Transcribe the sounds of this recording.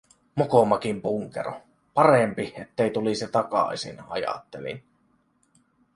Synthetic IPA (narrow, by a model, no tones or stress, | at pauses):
mokomɑkimpuŋkḛɾo̰ | pɑɾempiet̪ːejt̪uliset̪ɑkɑ̰isḭnɑ̰jɑ̰t̪ːelḭn